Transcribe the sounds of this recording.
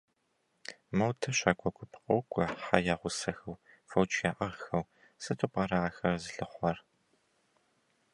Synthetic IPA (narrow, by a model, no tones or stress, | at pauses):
mɐwtʰɐɕaːkʷʰʼɔkʷʰʼʊpʰqʼɐwkʷʼɔħajaːʁʷʊsɐxɐw | fɐwt͡ʃʰʼjaːʔɐʁxɐw | sɨtʰʼʊpʼaːɾɐaːxɐrzɨɬɨχʷɐr